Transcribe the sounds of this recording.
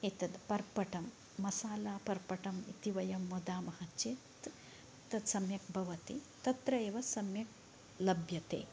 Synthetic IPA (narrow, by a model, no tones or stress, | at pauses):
it̪ɐd̪pɐɾpɐʈɐmː | ɐsaːlaːpɐɾpɐʈɐmḭt̪iʋɐjɐmːod̪aːmɐhɐt͡ʃit̪ | t̪ɐd̪sɐmjɐk̚bʱɐʋɐt̪ḭ | t̪ɐt̪ɾɐeːʋɐsɐmjɐk̚ | lɐbʱjɐt̪ḛː